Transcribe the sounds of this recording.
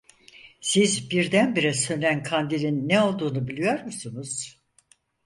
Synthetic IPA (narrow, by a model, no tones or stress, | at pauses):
sizbiɾd̪ænbiɾɛsønʲænkʰand̪ilʲinːeo̞lˠd̪uːnubilʲijo̞ɾmusunuz̥